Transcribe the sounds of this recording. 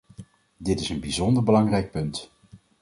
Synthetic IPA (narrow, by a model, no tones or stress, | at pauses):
dɪtɪsənbizɔndəɹbəlɑŋrɛjk̚pɵnt